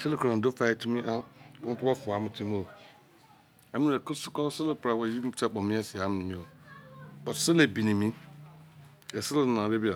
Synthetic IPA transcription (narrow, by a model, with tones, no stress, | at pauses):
se˦lɪ˦kã˨do˦fa˦tʰu˦mĩ˦ʔa˦mʊ̃˦tʊ˦wɔ˦fʊ˨a˨˦mɪ̃˨tʰi˦m˦o˨ | ɛ˨˦mĩ˦˨ɛ˨kʊ˦sʊ̥˦kɔ˦sɪ˦lɪ˦pɾa˨wɛ˨ji˦m̩˦t͡ʃʰɛ˦k͡pɔ˨mɪ̃˦ɛ˦sɪ˨a˦m̃˨nɪ̃˨mĩ˦o˨ | bɔ˨tsɪ˦le˨bi˨nĩ˨mĩ˦˨ | ɛ˨sɪ˦lɪ˦˨nã˨be˦bi˦a˨